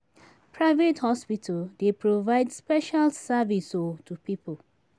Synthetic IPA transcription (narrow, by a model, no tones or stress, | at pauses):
pʰɹaɪvethɔspitʰəldepɹovaɪdspɛʃalsavisotʰupipəl